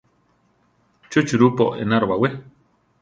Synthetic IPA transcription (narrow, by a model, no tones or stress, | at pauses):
t͡ʃut͡ʃuɾupo̰ʔḛnaɾoβawe